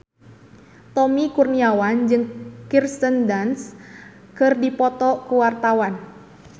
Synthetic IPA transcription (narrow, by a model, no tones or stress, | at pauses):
t̪ɔmikurniawand͡ʒɨŋkirst̪əndans | kɨrdipɔt̪ɔkuwart̪awan